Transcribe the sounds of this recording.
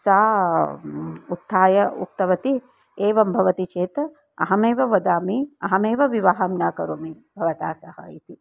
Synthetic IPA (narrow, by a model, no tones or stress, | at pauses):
saː | ut̪ʰːaːjɐṵk̚t̪ɐʋɐt̪i | eːʋɐmbʱɐʋɐt̪it͡ʃeːt̪ɐ | ɐ̰ɦɐmeːʋɐʋɐd̪aːmiɐɦɐmeːʋɐʋiʋaːɦɐmnaːkɐɾoːmi | bʱɐʋɐt̪aːsɐɦɐ̰ḭt̪i